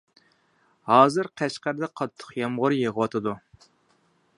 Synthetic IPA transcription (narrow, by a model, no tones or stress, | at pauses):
hɑːzɨɾqʰæʃqæɾd̪ɛqʰɑt̪ʰːə̥χjɑmʁʊɾjeʁəwɑt̪ʰɨd̪u